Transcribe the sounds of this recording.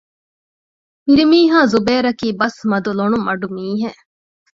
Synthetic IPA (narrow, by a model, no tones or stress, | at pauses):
miɾimiːɦaːzubeːɾɐkiːbɐsmɐd̪uloɳumɐɖumiːɦe